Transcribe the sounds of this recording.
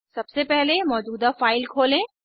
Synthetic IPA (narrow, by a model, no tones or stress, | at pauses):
sɐbsepɛɦlemɔːd͡ʒuːd̪afaːɪlkʰoːlẽː